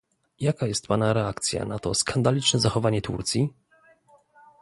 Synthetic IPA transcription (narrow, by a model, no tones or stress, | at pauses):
jakajɛst̪̚panaɾɛakt̪sʲja̰nat̪ɔskʰand̪alʲit͡ʂnɛzaxɔvaɲɛt̪ṵɾt̪sʲi